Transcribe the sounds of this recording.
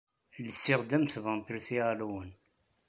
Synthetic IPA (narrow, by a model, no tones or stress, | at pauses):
ləsːɪʁd̪æmθvʁəntəɾθiʁlwən